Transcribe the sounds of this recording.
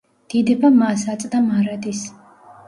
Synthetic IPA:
d̪̥id̪ɛbamasat̪sʼd̪amaɾad̪is

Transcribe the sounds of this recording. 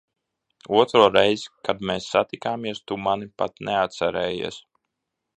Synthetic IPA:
uɔt̪ɾuɔɾɛjzkad̪meːsːat̪ikaːmiɛst̪umanipat̪nʔeat̪t̪sɛɾɛːjḭɛs

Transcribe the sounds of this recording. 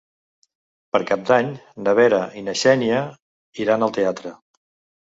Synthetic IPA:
pəɾkab̚d̪aɲnəβ̞ɛɾəʔinəʃɛniə | iɾanəlˠt̪eat̪ɾə

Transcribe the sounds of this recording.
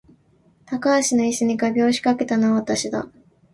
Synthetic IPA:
t̪akaːɕino̞isɨɲ̟iɡabʲo̞ːɕi̥kake̞t̪anoβat̪aɕid̪a̰

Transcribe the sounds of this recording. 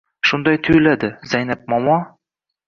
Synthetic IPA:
ʃʊnd̪ɒjt̪ʰʊjlad̪ɪzajnap̚mɒmɒ

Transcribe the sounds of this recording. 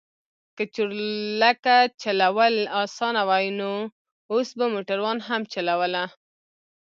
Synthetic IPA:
kət͡ʃuɾlakat͡ʃalawəlɑsɑnawajno | osbamoʈaɾwɑnɦamt͡ʃalawəla

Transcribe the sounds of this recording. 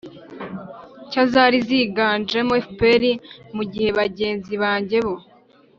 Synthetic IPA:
cazaɾiziɡaːnd͡ʒemoefpeɾimuɟihe̞βaɟe̞ːnziβaːɲɟe̞βo̞

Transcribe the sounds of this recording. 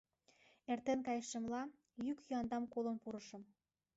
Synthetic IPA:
ert̪enkɑjʃə̆mlɑ | jykjyɑnd̪ɑmkolə̆npuɾə̆ʃɤ̆m

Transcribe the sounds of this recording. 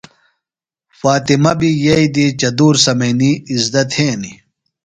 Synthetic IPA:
faːt̪imɐbijɐid̪it͡ɕɐd̪uːɾsɐmɐjniːzd̪ɐt̪heːni

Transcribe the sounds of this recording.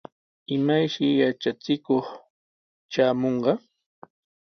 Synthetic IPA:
ɪmajʃɪjat͡ʃat͡sɪkoχ | t͡ʃaːmoɴɢɑ

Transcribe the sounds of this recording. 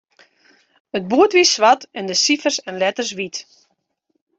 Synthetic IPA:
ət̚buətʋissʋatɛndəsifərsɛnlɛtərs̬ʋit

